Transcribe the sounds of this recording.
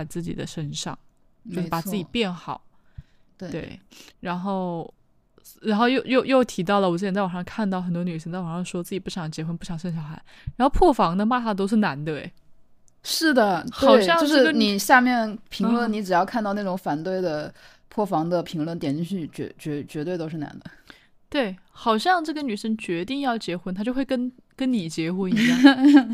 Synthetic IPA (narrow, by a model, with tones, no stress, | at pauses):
ɪt͡sɹ̩˥˩t͡ɕḭ˨˩d̪ə˦ʂə˥nʂɑ̰˥˧ŋ | t͡ɕt͡ɕo˥˧ʂɻa˨˩t͡sɹ̩˥˩t͡ɕi˩˨˩pjɛ˥˩nxɑ˨˩˦ʊ | tt̪we˥˩we˥˩ɪɻa˧˥nxo˥˩ʊ | ɻa˧˥nxo˥˧ʊjo˥˧ʊjo˥˧ʊjo˥˩ʊt̪ʰi˧˥t̪ɑ˥˩ʊlə˩wɔ˨˩t͡sɹ̩ʰ˥˩˨t͡sɑ˨˩ʂɑ˥ŋ˧kʰa˥˧nt̪ɑ˥˩ʊxə˨˩nt̪wɔ˥ny˨˩ʂ̬ə˥ŋt͡sa˥˩ɪɑ˨˩ʂɑ˥˩ŋʂwɔ˥˧t͡sɹ̩˥˩t͡ɕi˨˩pu˥˩ɕjɑ˨˩˥ŋd̪ət͡ɕjɛ˧˥xwə˧˥npu˥˩ɕjɑ˨˩ŋʂə˥˩nɕ̬jɑ˨˩ʊxa˧˥ɪ | ɻa˧˥nxo˥˧ʊpʰwɔ˥˩fɑ˧˥ŋd̪ə˧ma˥˧t̪ʰa˥˩t̪̬o˥ʊʂ̬ɻ̩˥˩na˧˥nd̪ə̰˧˩ | ʂɻ̩˥˩d̪ə˩txweɑ˨˩ʊɪɕjɑ˥jŋo˥˧ʂɻ̩˥˧ɡə˧ni˨˩ɕja˥˧mjɛ˥˩npʰi˧ŋ˥ŋlwə˥˩ni˧˥ʈ͡ʂɻ̩˨˩jɑ˥˧ʊkʰa˥˧t̪ɑ˥˧ʊna˥˩ʈ͡ʂʊ˧˥ŋfa˨˩nt̪we˥˩ɪd̪ə˩ | pʰwɔ˥˩fɑ˧˥ŋd̪ə˧pʰi˧˥ŋlwə˥˩nt̪jɛ˨˩ni˥˧ɕy˥˩t͡ɕɥɛ̰˧˥t͡ɕɥɛ˧˥t͡ɕɥɛ˧˥t̪we˥˩ɪt̪o˥ʊʂɻ̩˥˩na̰˧˥nd̪ə˧ | t̪we˥˩ɪ | xɑ˨˩ʊɕjɑ˥˧ŋʈ͡ʂɤ˥˩ɡə˩ny˨˩ʂə˥ŋt͡ɕɥɛ˧˥t̪i˥˧ŋjɑ˥˩ʊt͡ɕjɛ˧˥xwə˥nt̪ʰa˥t͡ɕo˥˧ʊxwe˥˩kə˥n | kə˥nni˨˩t͡ɕjɛ˧˥xwə˧˥ni˧˥j